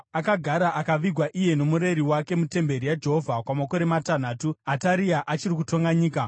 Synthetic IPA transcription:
akaɡʱaɾaʔakaʋiɡʱwaʔije̞no̞muɾe̞ɾiwake̞mute̞mbe̞ɾijad͡ʒe̞ɦovʱakwamako̞ɾe̞matan̤aːtuataɾiaʔat͡ʃirik̬uto̞ŋɡaɲiːka

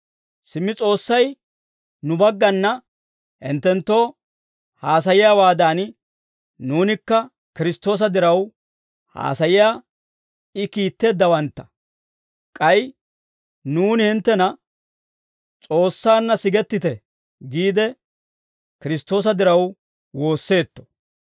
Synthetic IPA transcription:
sɪmːɪt͡sʼo̞ːsːɐj | nʊbɐɡːɐnːɐ | hɪ̰nt̪ːɛnt̪ːo̞ː | haːs̬ɐjɪjaːwaːd̪aːn | nuːnɪkːɐ | kɪɾɪst̪ːo̞ːs̬ɐd̪ɪɾɐw | ha̰ːsɐjɪjaː | ɪkiːt̪ːe̞ːd̪ːɐwɐnt̪ːɐ̥ | kʼɐj | nuːnɪhɪnt̪ːɛnɐ | t͡sʼo̞ːsːaːnːɐsɪɡɛt̪ːɪt̪ɛ | ɡiːd̪ɛ | kɪɾɪst̪ːo̞ːs̬ɐd̪ɪɾɐw | wo̞ːsːe̞ːt̪ːɔ̥

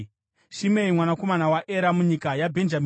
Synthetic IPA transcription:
ʃimeimwanako̞manawaʔeɾamuɲikajabʱe̞nd͡ʒam

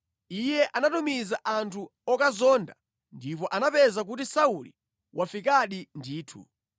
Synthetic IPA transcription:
ijɛʔanatumizaʔantʰuɔkazɔːnda̰ | ndipɔʔanapɛzak̬utisaulḭ | wʔafikaɗindiːtʰṵ

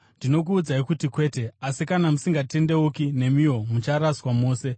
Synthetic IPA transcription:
ndino̞k̬uːd͡zaikutikwe̞ːte̞asikanamusiŋɡate̞nde̞ukine̞mio̞mut͡ʃaɾaswamo̞ːse̞

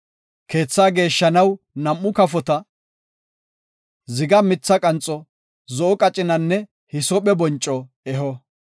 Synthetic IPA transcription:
ke̞ːt͡sːaːɡe̞ːʃːɐnɐw | nɐmːʊkɐfɔt̪ɐ | zɪɡɐmɪt͡sːɐkʼɐnt͡sʼɔ | zɔʔɔkʼɐt͡ʃʼɪnɐnːɛ | hɪsɔɓɛbɔnt͡ʃʼːɔ | ɛɦɔ

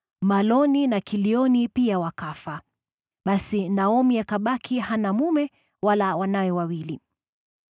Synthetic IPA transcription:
malɔninakiliɔnipiawakafa | ɓasinaɔmiakaɓakʰihanamumɛ | walawanajɛwawili

